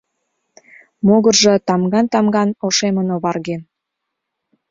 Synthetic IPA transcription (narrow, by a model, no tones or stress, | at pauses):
moɣərʒɤ̆t̪ɑmɡɑnt̪ɑmɡɑnoʃemənoβɑrɣen